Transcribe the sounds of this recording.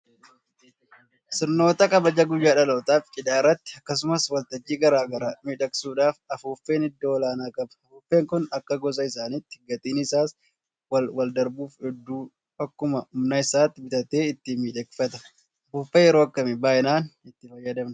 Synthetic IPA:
sɪɾno̞ːt̪ɐkʼɐbɐd͡ʒɐɡʊjːaːᶑɐloːt̪aːft͡ʃʼɪd̪aːrːɐt̪ːɪ̥ɐkːɐs̬ʊmɐswɐlt̪ɐd͡ʒːiːɡɐɾaːɡɐɾamiːᶑɐksuːᶑaːfɐfuːfːe̞ːnɪd̪ːoːɔlaːnaːkʼɐbɐ̥ɐfuːfːe̞ːŋkʊnɐkːɐɡɔs̬ʼɐɪsaːnɪt̪ːɪ̥ɡɐt̪ʼiːnɪsaːs | wɐwɐld̪ɐɾbuːfɛd̪ːuː | ɐkːʊmɐʊmnɐɪsaːt̪ːɪbɪt̪ɐt̪e̞ːɪt̪ːɪmiːᶑɐkfɐt̪ɐ̥ | ɐfuːfːejɛɾoːɐkːɐmɪbaːʔɪnaːnɪt̪ːɪfɐjːɐd̪ɐmnɐ

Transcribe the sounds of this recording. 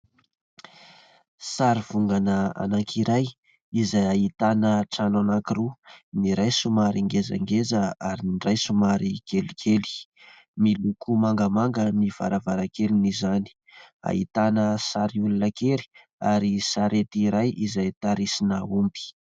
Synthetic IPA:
saɾiv̥uŋɡanəa̰naŋkʰiɾaj | izajait̪anəʈ͡ʂananakiɾuniɾajsumaɾiŋɡeza̰ŋɡezəaɾiniɳɖ͡ʐajsumaɾikelikʰeli̥ | milukumaŋɡəmaŋɡəniv̥a̰ɾavaɾakelinizani̥ | a̰ɦḭt̪anəsaɾiulunəkeɾi̥ | aɾisaɾet̪iɾajizajt̪aɾisinəumbi̥

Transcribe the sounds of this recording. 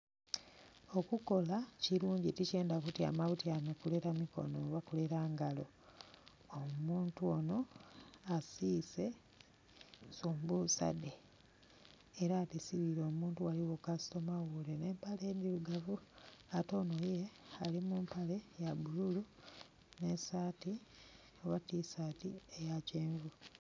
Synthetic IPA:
o̞kuko̞laciɾuːɲɟitice̞ːndakutja̰maβutjanokule̞ɾamiko̞̰noβakule̞ɾaːŋɡalo̞ | omuːntuono̞asise̞ | suːmbuusa̰de | ɾaːtesiβiɾo̞ːmuːntuwaliwokasi̥to̞mawulene̞ːmpale̞ːnd̪iluɡavuato̞ːno̞jealimumpale̞jabululu | ne̞saːti | oβatisatiejaceːɱvu

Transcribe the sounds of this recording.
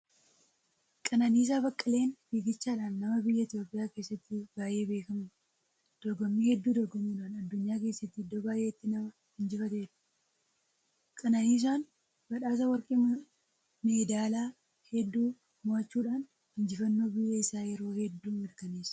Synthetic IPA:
kʼɐnɐniːs̬aːbɐkʼːɐle̞ːnbiːɡɪt͡ʃːaːᶑaːnːɐmɐbɪjːɐɪt̪jo̞ːpʼɪjaːke̞ːsːɐt̪ːɪbaːjʔe̞ːbeːkɐm | d̪̥ɔɡɔmːiːhɛd̪ːuːd̪ɔɡɔmiːᶑaːnɐd̪ːʊɲːaːke̞ːsːɐt̪ːɪd̪ːoːbaːjʔeːɪt̪ːɪnɐɐ | hɪnd͡ʒɪfɐt̪eːᶑɐ̥ | kʼɐnɐniːs̬aːn | b̥ɐᶑaːs̬ɐwɐɾkʼe | meːd̪aːlaː | hɛd̪ːuː | mʊɐt͡ʃːuːᶑaːn | hɪnd͡ʒɪfɐnːo̞ːbɪjːɐɪsaːjɛɾo̞ːhɛd̪ːuːmɪɾkɐneːsɐ̥

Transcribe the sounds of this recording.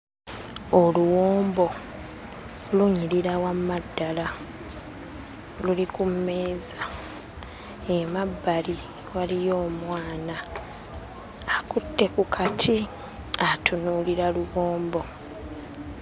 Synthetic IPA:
oluwoːmbo̞ | luɲiɾiɾawamːadːala | lulikumːeːza | emabːali | walijo̞ːmwaːna | kutːe̞kukʰatʰi | atunuliɾaluwoːmbo̞

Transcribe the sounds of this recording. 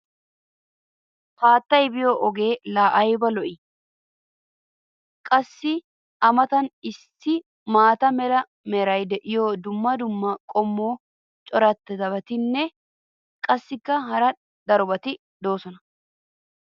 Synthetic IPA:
paːt̪ːɐjbɪjoːʔɔɡe̞ːlaːʔɐjbɐlɔʔɪ | kʼɐsːɪ | ɐmɐt̪ɐnɪstːɪ | maːt̪ɐmɛlɐ | mɛɾɐjd̪ɛʔɪjoːd̪ʊmːɐd̪ʊmːɐkʼɔmːoː | t͡ʃʼɔɾɐt̪ːɛd̪ɐbɐt̪ɪnːɛ | kʼɐsːɪkːɐɦɐɾɐ | d̪ɐɾɔbɐt̪ɪ | d̪o̞ːsɔnɐ

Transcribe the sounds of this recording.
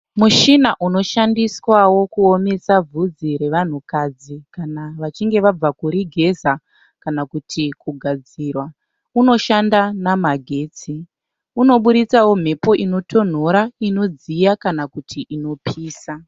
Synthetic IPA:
muʃinaʔuno̞ʃandiswawo̞kuo̞me̞sab͡vud͡ziɾe̞ʋan̤ukad͡zikanaʋat͡ʃiŋɡe̞ʋab͡vakuɾiɡʱe̞za | kanakutʰikuɡʱad͡ziːrwa | uno̞ʃandanamaɡʱe̞ːt͡si | uno̞ɓuɗit͡sawo̞m̤e̞po̞ʔino̞tʰo̞n̤o̞ɾaino̞d͡zijakanakutʰiʔino̞pʰiːsa

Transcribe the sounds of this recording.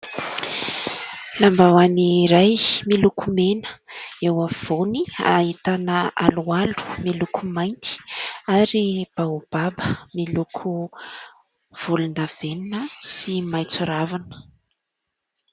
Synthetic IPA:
lambawaniɾajmilukumenə̥ewav̥onia̰it̪anəalualu̥milukʰumajnt̪i̥aɾib̥aub̥abəmilukʰu | v̥ulund̪av̥eninəsimajt͡suɾavanə̥

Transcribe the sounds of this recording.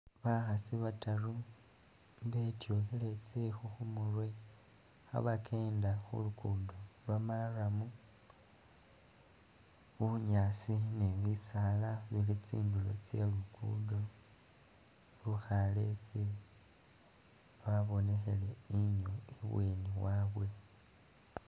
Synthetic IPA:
βaxasiβataru | mβe̞tjo̞xele̞t͡sexuxumurwe̞ | xa̰βakʰe̞ːndaxṵlukuːndolwamaramu | βuɲaːsineβisalaβilit͡siːndulo̞̰t͡se̞̰lukṵːndo | luxalet͡se | βaβo̞ne̞xe̞leiɲoeβweːniwaβwe̞

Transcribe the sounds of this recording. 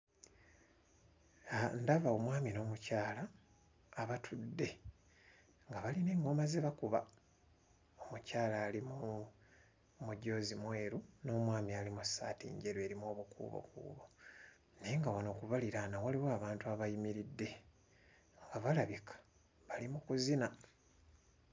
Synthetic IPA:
ndavaomwaːmino̞ːmucaːlaː | βatʰudːe̞ | ŋɡaβaline̞ŋɡo̞mazeβakuβa̰ | omucaːlaːlimu | muɟo̞ːzimwe̞ːɾuno̞ːmwaːmialimusːa̰ːtḭːɲɟe̞ɾwe̞ɾimo̞ːβukṵβo̰kṵːβo̞ | neŋɡawano̞kuβaliɾanawaliwaaːβaːntuaβajimiɾidːe̞ | ŋɡaβalaβikʰḁ | βalimukuzina

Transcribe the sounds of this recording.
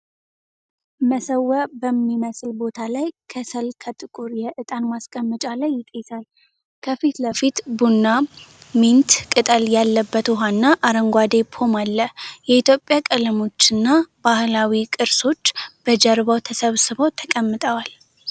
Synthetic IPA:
məsəwːəbəmːiməslbo̞t̪ʰalajkʰəsəlkʰət̪ʼɨkʼuɾjɛʔɨt̪ʼanmaskʼəmːɨt͡ʃʼalajːɪt̪ʼsal | kʰəfit̪ləfit̪bunːamint̪kʼɨt̪ʼəljalːəbːət̪oɦanːaʔaɾəŋɡʷad̪e̞pʰo̞malːəjɛit̪ʰjo̞pʼːjakʼələmo̞t͡ʃːɨnːabahlawikʼɨɾso̞t͡ʃːb̥əd͡ʒəɾβəwt̪ʰəsəβsɨβəwt̪ʰəkʼəmːɨt̪ʼəwal

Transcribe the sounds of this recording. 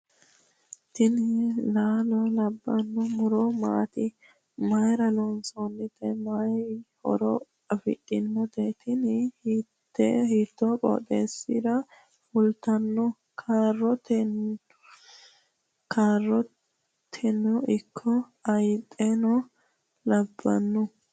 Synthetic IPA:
t̪ɪnɪlaːlɔlɐbːɐnːɔmʊɾɔma̰ːt̪ɪ | mɐjɾɐlɔnsɔnːɪt̪ɛmɐhɔ̰ɾɔ | ɐfɪ̰tʼːɪnːɔt̪ɛt̪ʰɪnɪhtːɛhiːt̪ːɔkʼɔ̰ːt̪ʼeːsːɪd̪ɐ | fʊlt̪ɐnːɔ | kʰaːrːɔt̪ɛ | kʰaːrːɔ | t̪ʰɛnːɔɪkʰːɔ | ɐjt̪ʼːenɔ | wlɐbːɐ̰nːʊ

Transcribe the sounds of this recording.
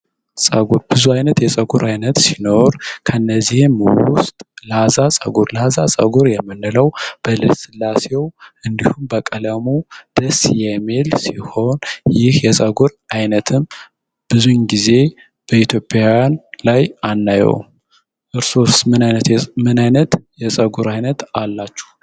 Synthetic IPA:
sʼəɡuɾb̥ɨzuajnət̪jɛsʼəɡuɾajnət̪sino̞ɾkʰəɨnːəzihɨmwʊ̰st̪ʼləhazasʼə̰ɡuɾləhazasʼə̰ɡuɾjɛmːɨnːɨləwb̥ələsɨlːasewʔɨnd̪ihumbəkʼələmud̪̥əsjɛmelsiho̞njɪhjɛsʼəɡuɾajnət̪ʰɨm | b̥ɨzuɲɡize̞ | b̥əit̪ʰjo̞pʼjaanlajanːajɛ̰w | ʔɨɾsosmɨnajnt̪mɨnajnət̪jɛsʼəɡuɾajnət̪alːat͡ʃːu̥h

